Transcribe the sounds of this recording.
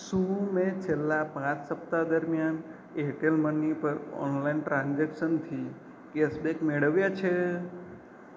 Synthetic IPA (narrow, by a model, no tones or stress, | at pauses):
sumẽt͡ʃʰelːapãt͡ʃsəp̚t̪ad̪əɾmjan | eɦʈelmənipəɾɔ̰nlainʈɾãnd͡ʒekʃənt̪ʰi | kesbekmeɽəʋjat͡ʃʰe